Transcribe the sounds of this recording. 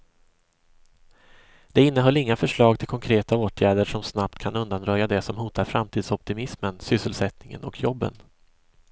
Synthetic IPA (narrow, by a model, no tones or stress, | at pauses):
d̪̥ɛɪnːəɦœlːɪŋːafœʂɭɑːɡ̚t̪ʰɪlkʰɔŋkʰɾeːt̪aoːt̪ʰjæːɖəʂɔmsnap̚t̪kʰanɵnd̪anɾœjːad̪ɛsɔmɦuːt̪aɾfɾamt̪ʰiːd̪sɔp̚t̪ɪmɪsmənsʏsːəlsɛt̪nɪŋə̰nɔ̰kʰjɔbːə̰n